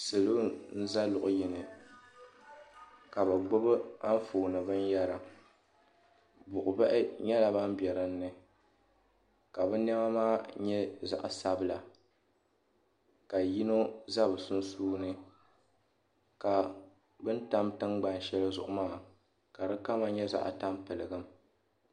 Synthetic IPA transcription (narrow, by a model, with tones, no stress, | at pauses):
sɨ˨lo˦n̩˦za˦lʊ˨ʔʊ˨ji˨nɨ˨ | ka˨bɛ˨ɡ͡bo˦bɨ˦a˦ɱ˦foː˨nɨ˨bɨ˦n˦ja˦ɾa˨ | bʊ˨ʔʊ˨ba˦ʔɪ˦ɲɛ˦la˨ba˦m˦bjɛ˨ɾɨ˦n̩ː˦ɨ˨ | ka˨bɨ˦nɛ˦ma˦maː˦ɲɛ˦za̰˨ʔsa˦bɨ˦la˨ | ka˨ji˦no˦za˦bɨ˨sʊ˦n˦suː˦nɨ˦ | ka˨ | bɨ˦n˦ta˦mtɨ˦ŋɡ͡ba˨n˨ʃɛ˦lɨ˦zʊ̰˨ʔʊ˨maː˦ | ka˨dɨ˦ka˦ma˨ɲɛ˦za̰˨ʔta˦mpɨ˨lɨ˨ɡɨ˦m